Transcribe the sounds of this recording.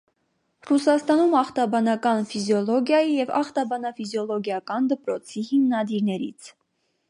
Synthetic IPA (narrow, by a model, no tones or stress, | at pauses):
rusɑst̪ɑnumɑχt̪ɑbɑnɑkɑnfizjɔlɔɡjɑjijɛvɑ̰χt̪ɑbɑnɑfizjɔlɔɡjɑkɑnd̪əpɾɔt͡sʰihimnɑd̪iɾnɛɾḭt͡sʰ